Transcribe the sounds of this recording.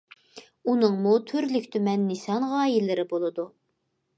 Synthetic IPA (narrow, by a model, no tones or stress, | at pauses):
unɨŋmut̪ʰyɾlykʲt̪ʰymɛnːɪsɑnʁɑːjilːɪɾɪbolˠɨd̪u